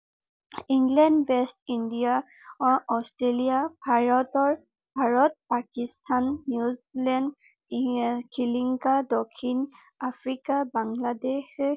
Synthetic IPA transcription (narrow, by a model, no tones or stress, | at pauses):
iŋɡlɛndwɛstindija | ɔstɹelijabʱaɹɔtɔɹ | bʱaɹɔt̚pakistʰanːjuzlɛnd | kʰiliŋkadɔkʰin | afʰɹikabaŋladex